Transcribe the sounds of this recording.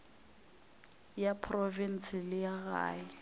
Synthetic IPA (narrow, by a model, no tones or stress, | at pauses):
japʰrɔvin̩sɪlɪjaɣa̰ːjɪ